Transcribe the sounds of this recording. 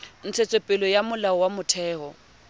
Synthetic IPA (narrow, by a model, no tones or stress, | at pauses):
n̩t͡sʰet͡sʼepʼɪlɔjamʊlaɔwamʊtʰɛːhɔ